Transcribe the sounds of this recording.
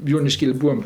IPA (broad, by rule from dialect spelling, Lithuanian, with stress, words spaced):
joːnʲɪˈʃʲkʲeːlʲɪ ˈbuːɐm